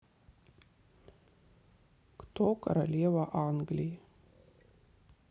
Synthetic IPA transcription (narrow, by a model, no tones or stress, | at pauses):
kt̪oːkɐɾɐlʲiɛʋaʔɑŋɡlʲɪj